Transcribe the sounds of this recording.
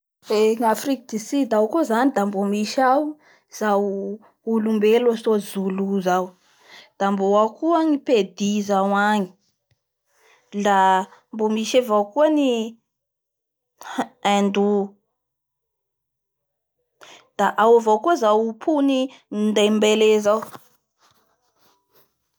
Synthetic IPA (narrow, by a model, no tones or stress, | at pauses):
eŋafrikd̪isid̪awkozanid̪ambomiʃawu | z̥aw | ulumbelasozuluzaw | d̪̥amboakuaŋiped̪izawaŋi̥ | lambomiʃavawkuani | ɛnd̪u | d̪̥aʔawavawkuəzawpʰunind̪ajmbelezaw